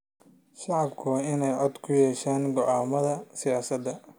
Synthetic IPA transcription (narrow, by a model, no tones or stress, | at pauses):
ʃɑʕɑbkʰʊwɑːɪnɛjʕɔd̪kʰʊjɛːʃaːnɡɔʕaːmɐðɐsɪjaːsɐd̪ɐ